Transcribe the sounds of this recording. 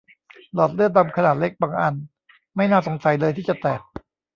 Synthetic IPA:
lɔː˨˩t̪̚lɯ˥˩ət̚d̪a˧mkʰa˧naː˨˩t̪̚le˦˥k̚baː˧ŋʔa˧n | ma˥˩jnaː˥˩so˩˦ŋsa˨˦jlɤː˧jt̪ʰiː˥˩t͡ɕa˨˩t̪ɛː˨˩t̪̚

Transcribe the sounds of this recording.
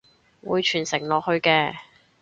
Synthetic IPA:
wuː˨˧jt͡ʃʰyː˨˩nsɪ˨˩ŋlɔː˨k̚hɵ˧ɥkɛː˧

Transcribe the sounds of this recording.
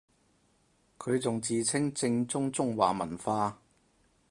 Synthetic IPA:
kʰɵ˨˧ɥt͡sʊ˨ŋt͡siː˨t͡sʰɪ˥ŋt͡sɪ˧ŋt͡sʊ˥ŋt͡sʊ˥ŋwa̰ː˨mɐ̰˨˩nfaː˧

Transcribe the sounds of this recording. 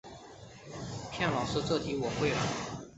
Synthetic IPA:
pʰjɛ˥˩nlɑ˨˩ʊʂɻ̩˥˧ʈ͡ʂɤ˥˩t̪ʰi˧˥wɔ˨˩xwe˥˩lə˩

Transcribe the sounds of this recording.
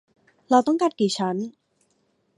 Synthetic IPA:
ɾa˧wt̪ɔ˥˩ŋka˧˩t̪̚kiː˨˩t͡ɕʰa˦˥n

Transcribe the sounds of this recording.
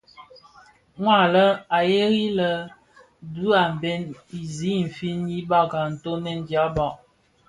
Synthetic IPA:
ŋwa˦˨lə˦a˨je˦ɣi˦lə˦ | du˦a˨m̩˨bɛ˦ni˨zi˨˦m̩˨fi˦nji˦ba˦ɡa˨n̩˨to˦nɛ˦n˨dja˨˦bɔ˨ʔ

